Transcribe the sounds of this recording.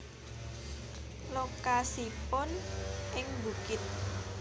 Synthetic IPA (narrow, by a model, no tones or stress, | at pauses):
lokasipʊnʔɪŋbukɪt̪̚